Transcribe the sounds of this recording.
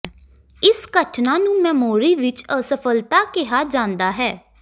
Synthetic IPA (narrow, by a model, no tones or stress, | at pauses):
ɪsɡəʈʰnãːnũːmɛːmoːɾiːʋɪt͡ʃəsəpʰəlt̪aːkɪɦaːd͡ʒãːnd̪aːɦɛː